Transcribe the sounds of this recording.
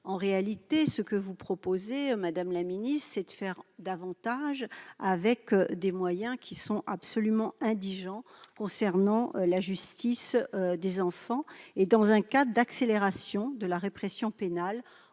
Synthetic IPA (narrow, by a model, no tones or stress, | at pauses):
ɑ̃ʁealit̪esəkəvupχɔpozemad̪amlaminist̪sɛd̪əfɛʁd̪avɑ̃t̪aʒavɛkd̪emwajɛ̃kʲʰisɔ̃ʔapsɔlymɑ̃ɛ̃d̪iʒɑ̃kɔ̃sɛʁnɑ̃laʒyst̪isd̪ezɑ̃fɑ̃ed̪ɑ̃zɛ̃kad̪əd̪akseleʁasjɔ̃d̪əlaʁepχesjɔ̃penal